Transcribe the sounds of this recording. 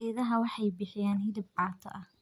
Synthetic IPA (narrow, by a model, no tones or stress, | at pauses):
ɛːðɐɦɐwɑħɑjbɪħɪjaːnhɪðɪb̚qɑːt̪ʰɐ̰ʔɐh